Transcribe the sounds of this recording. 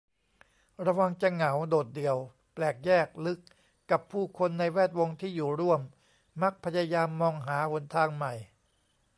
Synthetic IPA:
ɾa˧wa˧ŋt͡ɕa˧ŋa˩˦wdoː˨˩t̪̚dɯ˨˩əw | plɛː˨˩k̚jɛː˥˩k̚lɯ˦˥kː | a˨˩pʰːuː˥˩kʰo˧nːa˧jwɛː˥˩t̪̚wo˧ŋt̪ʰiː˥˩juː˨˩ɾu˥˩əmː | a˦˥k̚pʰa˧ja˧jaː˧mːɔː˧ŋɦaː˩˦bo˧nt̪ʰaː˧ŋma˨˩j

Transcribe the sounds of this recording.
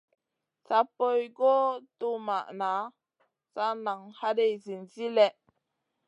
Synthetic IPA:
sa˦po˦jɡo˦tu˦ma˨ʔna˨˦ | sa˦na˨ŋha˦de˦˨jzi˨nzi˦lɛ˦ʔ

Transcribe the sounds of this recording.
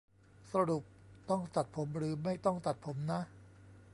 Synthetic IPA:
sa˧ɾu˨˩p̚t̪ɔ˥˩ŋt̪a˨˩t̪̚pʰo˩˦mɾɯː˩˦ma˥˩jt̪ɔ˥˩ŋt̪a˨˩t̪̚pʰo˩˦mna˦˥ʔ

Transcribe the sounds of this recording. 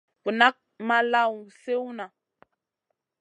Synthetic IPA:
ku˨na˦k̚ | ma˦la˦˨wse˦wna˨

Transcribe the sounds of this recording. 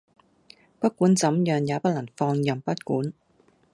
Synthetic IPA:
pɐ˥t̚kuː˨˥nt͡sɐ˨˥mjœː˨˧ŋjaː˨˧˥pɐ˥t̚lɐ˨˩ŋfɔː˧ŋjɐ˨mpɐ˥t̚kuː˨˥n

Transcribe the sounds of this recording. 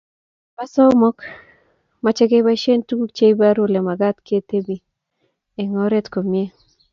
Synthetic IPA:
pa˦sɔ˦mɔ˦k | ma˨t͡ʃɛ˦ɡe˦ba˦ʃe˦ntu˦ku˦k̚t͡ʃe˦jba˦ɾʊ˦le˨ma˨ɡa˦t̪ke˦t̪e˦bi˨ | e˨ŋɔ˦ɾe˦t̪ko˨mje˦

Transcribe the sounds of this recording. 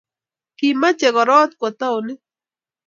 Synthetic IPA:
ki˦˨ma˦t͡ʃɛ˨ɣɔ˨ɾɔ˦t̪̚kwɔ˨t̪a˦wnɪ˦

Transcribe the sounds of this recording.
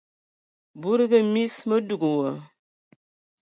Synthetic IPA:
bu˦ɾi˦ɡə˦mi˦smə˦du˨ɡu˨wə˨

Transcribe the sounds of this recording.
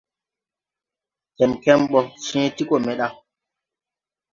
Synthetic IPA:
tɛ˨mkɛ˦mɓɔ˦sɛ̃ː˦ti˦ko˨mɛ˨ɗa˦

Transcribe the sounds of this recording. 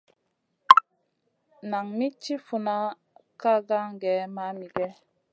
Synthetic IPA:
na˨ŋmi˦t͡ʃi˦fu˨na˦ | ka˦ɡa˦ŋɡɛ˨˦ma˦mi˨ɡɛ˦

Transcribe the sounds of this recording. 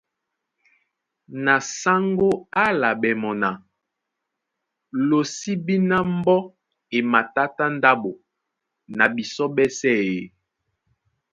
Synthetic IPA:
na˨sa˦ŋɡo˦a˦la˨bɛ˨mɔ˨na˨ | lo˨si˦bi˦na˦m˦bɔ˦ | e˨ma˨ta˦ta˦n˦da˦bo˨ | na˨bi˨sɔ˦bɛ˦sɛ˦˨e˨

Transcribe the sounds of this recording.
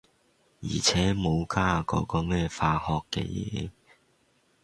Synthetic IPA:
jḭː˨˩t͡sʰɛː˨˥mo˨˧wkʰaː˧kɔ̰ː˨˥kɔː˧mɛː˥˧faː˧hɔː˧kːɛ̰˧jɛ̰ː˨˦

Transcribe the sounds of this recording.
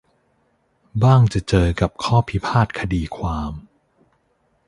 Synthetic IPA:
baː˥˩ŋt͡ɕa˨˩t͡ɕɤː˧ka˨˩p̚kʰɔː˥˩pʰi˦pʰaː˥˩t̪̚kʰa˧diː˧kʰwaː˧m

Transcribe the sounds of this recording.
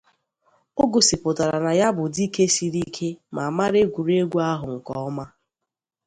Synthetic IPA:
o˦ɡo˨si˨pʊ˨ta˨ɾa˨na˨ja˦bʊ˨di˦ke˦si˨ɾi˦kʰe˦ma˨ma˦ɾe˦ɡʷu˨ɾe˦ɡʷu˦a˦ɦʊ˨ŋ̩˨kɔ˦ɔ˦ma˦

